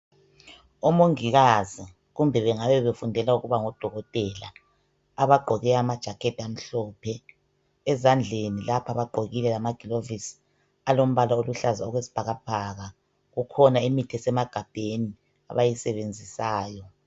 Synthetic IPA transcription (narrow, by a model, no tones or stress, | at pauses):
omoŋiɣazi | ɣumbʱɛβɛŋaβɛβefundʱɛlauɣuβaŋɔd̥ʱɔɣɔtʼɛla̰ː | βaɡ͡ǃʱɔɣɛamad̥ʒ̥ʱakʰetʰiam̩ɬɔːpʰɛ | ɛzand͡ɮʱenilapʰaβaɡ͡ǃʱoɣilɛlamaɡ̥ʱilovis | alom̩βalaoluɬazaɔɣwesi̥b̥ʱaɣab̥ʱaɣa | ɣukʰɔnaimitʰɛsɛmaɡ̥ʱab̥ʱeni | a̰βajisɛβend͡zʱisaːjɔ